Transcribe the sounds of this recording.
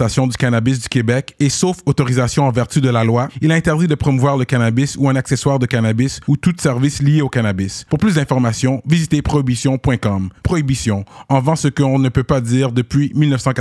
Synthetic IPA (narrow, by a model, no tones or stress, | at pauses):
asjɔ̃d̪ykanabis̬d̪ykʲebɛkesofot̪ɔʁizasjɔ̃ɑ̃vɛʁt̪yd̪əlalwailaɛ̃t̪ɛʁd̪id̪əpχɔmuvwaʁləkanabisuɛ̃nakseswaːʁd̪əkanabisut̪usɛʁvislijeokanabispuʁplys̬d̪ɛ̃fɔʁmasjɔ̃vizit̪epχɔibisjɔ̃pwɛ̃kɔmpχɔibisjɔ̃ɑ̃vɑ̃səkəɔ̃nəpøpad̪iːʁd̪əpɥimilnəfsɑ̃ka